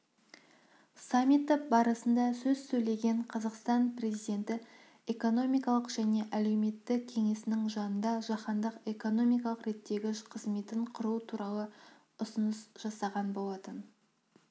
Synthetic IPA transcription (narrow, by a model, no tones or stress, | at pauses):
samʲit̪ːopbɑɾəsənd̪ɑsɵzsɵjle̞ɡʲe̞ɴqʰɑzɑqst̪ɑnpre̞zijd̪e̞nt̪ɪ | e̞ko̞no̞mijkɑlˠəqʒ̥æne̞ʔæle̞wme̞t̪ːɪkʲʰe̞ŋe̞sɪnɪŋʒɑnənd̪ɑʒɑqɑnd̪əqe̞ko̞no̞mijkɑlˠəqɾe̞t̪ːe̞ɡʲɪqʰəzme̞t̪ɪɴqʰʊɾuət̪ʰuɾɑlˠə | ʊsənəsʒ̥ɑsɑʁɑnbo̞lˠɑt̪ən